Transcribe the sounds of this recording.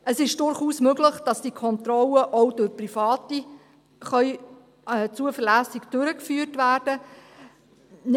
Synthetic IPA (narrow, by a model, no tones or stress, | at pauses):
əsɪʃd̥ʊɾχuːsmøɡləχd̥ɑsd̥ikʰɔnt̪ɾɔləʔɔwd̥ʊɾprifɑːti | χœʏ | ɛt͡suəfəlæːsɪkd̥ʏɾəkfyːrtʋæːrd̥ə | n